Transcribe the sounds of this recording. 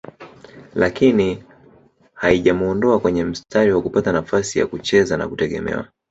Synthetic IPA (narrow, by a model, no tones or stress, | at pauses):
lakini | haiʄamuɔndɔakwɛɲɛm̩staɾiwakupatanafasija̰kut͡ʃɛzana̰kutɛɠɛ̰mɛ̰wa̰